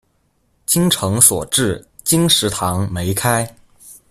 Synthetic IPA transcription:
t͡ɕi˥ŋʈ͡ʂʰɤ˧˥ŋswɔ̰˨˩ʈ͡ʂɻ̩˥˩ | t͡ɕi˥ŋʂɻ̩˧˥t̪ʰɑ˧˥ŋme˧˥ɪkʰa˥ɪ

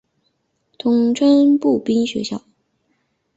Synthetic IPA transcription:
t̪ʰʊ˧˥ŋʈ͡ʂʰwa˥npu˥˩pi˥ŋɕɥɛ̰˧˥ɕjɑ̰˥˩ʊ

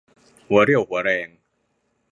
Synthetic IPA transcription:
hu˩˦ɐɾi˥˩əwhu˩˦ɐɾɛː˧ŋ

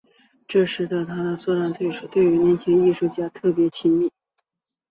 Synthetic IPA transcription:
ʈ͡ʂɤ˥˧ʂɻ̩˥˩t̪ə˧˩t̪ʰa˥d̪ə˨˧t͡swɔ˥˧ʈ͡ʂa˥˧nt̪ʰwe˥˩ɪʂu˨˩t̪we˥˩ɪy˧˥njɛ˧˥nt͡ɕʰjɛ˧˥ni˥˧ʂu˥˩t͡ɕja˥˧t̪ʰɤ˥˩pjɛ˧˥t͡ɕʰi˥nmi˥˩

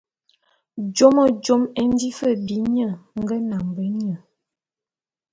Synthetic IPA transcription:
d͡ʒo˦mə˨d͡ʒo˦mɛ˦n˦di˦fə˦˨bi˨˦ɲə˦˨ŋ˦ɡə˦na˨mbə˦ɲə˦˨

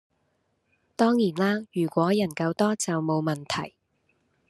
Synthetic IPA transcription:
t̪ɔː˥ŋjiː˨˩nlaː˥jyː˨˩kʷɔː˨˥jɐ˨˩nkɐ˧wt̪ɔː˥t͡sɐ˨wmo˨˧wmɐ˨˩nt̪ʰɐ̰˨˩j

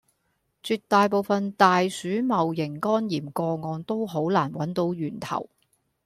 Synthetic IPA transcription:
t͡ʃyː˧t̚t̪ːaː˨˧jpo˨˧wfɐ˨nt̪aː˨jsyː˨˥mɐ˨wjɪ˨˩ŋkɔː˥njiː˨˩mkɔː˧ŋɔː˨˧nt̪o˥wɦo˨˥wlaː˨˩nwɐ˨˥nt̪o˨˥wjyː˨˩nt̪ʰɐ̰˨˩w

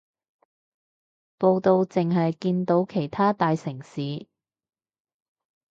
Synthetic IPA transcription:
po˧wt̪o˧wt͡sɪ˨ŋɦɐ˨jkiː˧nt̪o˨˥wkʰe˨˩jt̪ʰaː˥t̪aː˨˧jsɪ˨˩ŋsiː˨˧

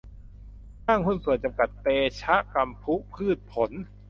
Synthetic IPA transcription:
ʔaː˥˩ŋkʰu˥˩nsu˨˩ənt͡ɕa˧mka˨˩t̪̚peː˧t͡ɕʰa˦˥ʔka˧mpʰu˦˥ʔpʰɯː˥˩t̪̚pʰo˩˦n

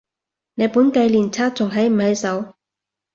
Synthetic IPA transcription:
ne˨˧jpuː˨˥nkɐ˧jliː˨˩nt͡sʰaː˥t͡sʊ˨˩ŋɦɐ˨˥jm̩˨˩hɐ˨˥jsɐ˨˥w

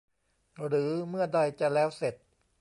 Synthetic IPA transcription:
ɾɯː˩˦mɯ˥˩ɐda˧jt͡ɕa˨˩lɛː˦˥wse˨˩t̪̚

